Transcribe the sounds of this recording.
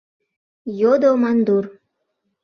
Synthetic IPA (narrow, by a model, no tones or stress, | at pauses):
jod̪omɑnd̪ur